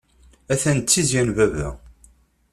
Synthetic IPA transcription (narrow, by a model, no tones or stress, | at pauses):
æθænt̪t͡sːizjænvævæ